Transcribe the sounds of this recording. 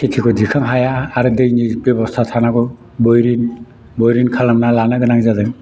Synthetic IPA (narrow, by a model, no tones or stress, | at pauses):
kʰit̪ʰikʰɔd̪ikʰaŋɦajaːɾɯd̪ejnibɔbɔst̪ʰat̪ʰanakɔ | bɔjɾin | bɔjɾinkʰalamnalanaɡənakzad̪ɯŋ